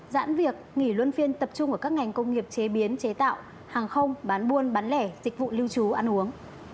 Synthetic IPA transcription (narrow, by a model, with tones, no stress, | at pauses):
za̰ː˧˥nvi˨˩ək̚ŋi˧˩lwə˧nfi˧ənt̪ə˨˩p̚t͡ɕʊ˧ŋ͡mʔə˧˩kaː˦˥k̚ŋa˨˩jŋ̟kə˧wŋ͡mŋi˨˩əp̚t͡ɕe˨˦ɓi˨˦ənt͡ɕe˨˦t̪a̰ː˧˨w | haː˨˩ŋxə˧wŋ͡mɓaː˨˦nɓu˧ənɓaː˨˦nlɛ˧˩zï˨˩k̟̚vṵ˧˨li˧əwt͡ɕu˨˦ʔa˧nʔu˨˦əŋ